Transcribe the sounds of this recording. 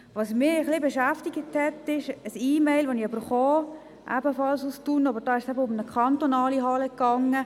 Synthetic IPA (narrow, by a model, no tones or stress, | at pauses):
ʋɑsmɪəχlɪbɛʃæftiɡəthɛtːɪʃəsiːmɛɪlʋoniøb̥əɾχɔː | ʔæ̰bəfɑlsustunɑbəɾd̥ɑːɪʃsɛbəʊmnəkʰɑnt̪onɑːliɦɑləkːɑŋːə